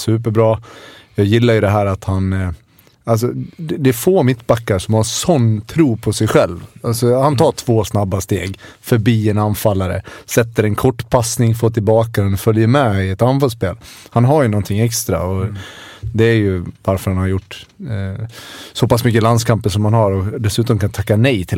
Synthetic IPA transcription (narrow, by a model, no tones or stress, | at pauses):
sʉ̟ːp̬əɾbɾɑːjɑːjɪlːaɾjɵd̪ɛɦæːɾat̪han | als̬ɔd̪d̪ɛfoːmɪt̪ːbakːaɾʂɔmhaɾʂɔnːt̪ʰɾuːpʰɔsɛjɧɛlvalsɔhant̪ʰɑːʈʰv̥oːsnabːast̪eːɡfœɾbiːɛnanfalːaɾə̰sɛt̪ːəɾɛnkʰɔʈːpʰasnɪŋfoːt̪ɪlbɑːkad̪ɛnɔfœljəɾmɛɪɛt̪anfalspeːlhanɦaɾjɵnɔnt̪ʰɪŋːɛkst̪ɾa̰ɔ | d̪ɛːɾjɵvaɾfœɾhanhaɾjʊʈː | sɔpasmʏkːəland̪skʰampəʂɔmhanɦaɾɔd̪ɛsʉ̟ːt̪ɔmkant̪ʰakːanɛjt̪ʰɪ